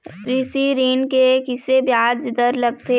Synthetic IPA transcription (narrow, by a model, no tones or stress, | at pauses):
ɾɪsiɾiːnkekɪsebjaːd̪d͡ʒɪd̪əɾlɐɡ̚t̪e